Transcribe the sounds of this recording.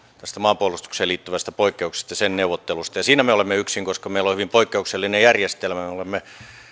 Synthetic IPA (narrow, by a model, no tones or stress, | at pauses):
t̪æst̪æmɑːmpuolust̪u̥kseːliːt̪ːyʋæst̪æpoikːeukse̥st̪ɑjɑsenneuʋot̪ːelust̪ɑjɑsiːnæmeolemːeyksiŋkoskɑmeilohyʋimpoikːeukselːinejærjest̪elmæmeolemːe